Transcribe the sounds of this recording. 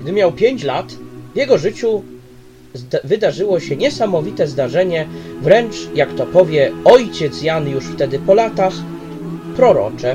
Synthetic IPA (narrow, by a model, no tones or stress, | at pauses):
ɡd̪ɘmʲjawpʲjeɲt͡ɕlat̪vjɛɡɔʐɘt͡ɕu | vɘd̪aʐɘwɔɕɛɲɛsamɔvʲit̪ɛzd̪aʐɛɲɛvɾɛnt͡ʂjakt̪ɔpɔvʲjɛɔjt͡ɕɛt̪sjanjuʂft̪ɛd̪ɘpɔlat̪ax | pɾɔɾɔ̰t͡ʂɛ